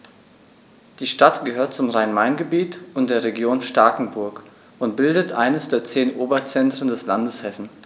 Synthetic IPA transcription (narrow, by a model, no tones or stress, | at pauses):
d̥iːʃtatɡ̥əhøːɐtt͡sʊmʁaɪnmaɪnɡəbiːtʔʊntd̥eːɐʁeɡjoːnʃtaɐkŋ̩bʊɐk | ʔʊnt̚b̥ɪldətʔa̰ɪnəsd̥eːɐt͡seːnʔoːbɐt͡sɛntʁ̥əndɛslandəshɛsn̩